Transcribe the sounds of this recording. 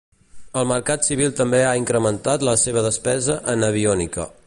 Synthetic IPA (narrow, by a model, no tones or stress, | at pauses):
əlˠməɾkat̪siβ̞ilˠt̪əmbeaiŋkɾəmənt̪at̪ləseβ̞əðəspɛzəʔənəβ̞iɔnikə̰